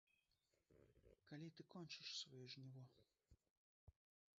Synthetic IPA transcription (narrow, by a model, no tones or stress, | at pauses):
kalʲit̪ɨkɔnʲt͡ʃɨʂsvɔjɔʐnʲivɔ